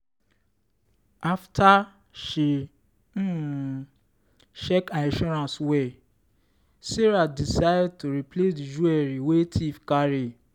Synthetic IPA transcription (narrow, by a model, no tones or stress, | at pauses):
aftʰa | ʃi | ʃɛkãnĩʃɔɾãnswɛ | sɛɾadisajd̚tuɾiplesdid͡ʒuɛɾiwetʰifkaɾi